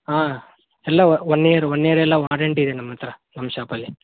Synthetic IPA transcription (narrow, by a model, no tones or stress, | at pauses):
ɦaː | ɛlːɐonːeːɾuonːeːɾɛlːɐʋaːɾeɳʈid̪enɐmːɐt̪ːɐɾɐnɐmːɐʃaːpɐlːi